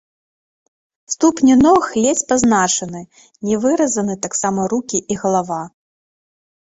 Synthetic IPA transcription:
st̪upnʲinɔxlʲɛt͡sʲpaznat͡ʂɐnɨ | nʲɛvɨɾɐzɐnɨt̪aksamɐɾukʲiʔiɣɐlˠava

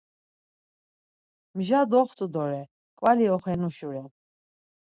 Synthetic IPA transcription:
mʒad̪ɔχt̪ʼud̪ɔɾɛ | kʼwaliɔχɛnuʃuɾɛ

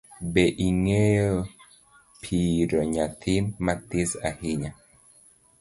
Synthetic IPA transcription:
bɛʔiŋejo | pʰiɾoɲat̪ʰinmat̪isahiɲa

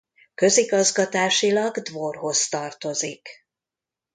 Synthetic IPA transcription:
kø̞ziɡɒzɡɒt̪aːʃilɒɡd̪vorɦo̞st̪ɒrt̪o̞zik

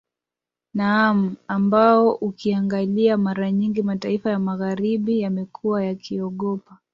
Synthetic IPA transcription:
nam̩ambaɔʔukiaŋɡaliamaɾaɲiŋɡimataifajamaɣaɾiɓijamɛkʰuwajakʰiɔɠɔpa

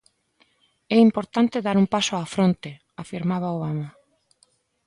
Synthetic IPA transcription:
ɛimpoɾt̪ant̪eðaɾumpasoafɾont̪e | afiɾmaβ̞aoβama

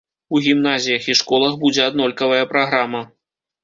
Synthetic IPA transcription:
uɣʲimnazʲijɐxiʂkɔlˠɐxbud͡zʲɛad̪nɔlʲkɐvɐjɐpɾaɣɾamɐ

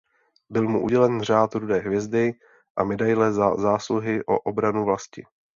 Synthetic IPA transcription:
bɪlmuʔuɟɛlɛnr̝aːt̪ɾudɛːɦvjɛzdɪ | ʔamɛdajlɛzaːsluɦɪʔo̞̰ʔobɾanuvlascɪ̰

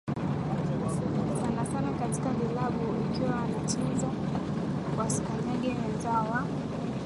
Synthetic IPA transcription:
anasanakati̥kavilaɓuikiwaːnat͡ʃinza | wasi̥kaɲaɡɛnɛzawa

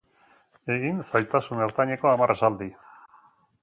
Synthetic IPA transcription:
e̞ɣinsajt̪asunewɾt̪aɲeko̞amarasald̪i

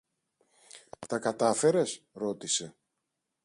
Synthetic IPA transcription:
t̪ɐkɐt̪ɐfe̞ɾe̞s | ɾo̞t̪ise̞

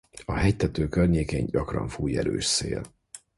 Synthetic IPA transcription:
ɒhɛjt̪ɛt̪øːkørɲeːkeːɲɟɒkrɒ̰ɱfuːjɛ̰ɾøːʃsḛːl

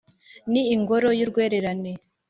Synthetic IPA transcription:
niːŋɡo̞ɾo̞juɾɡwe̞ːɾe̞ɾane

